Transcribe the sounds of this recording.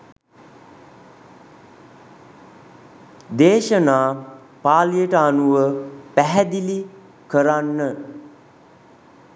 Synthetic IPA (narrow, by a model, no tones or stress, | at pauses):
d̪eːʃənaː | paːlijəʈəanuʋəpæɦæd̪ili | kəɾanːə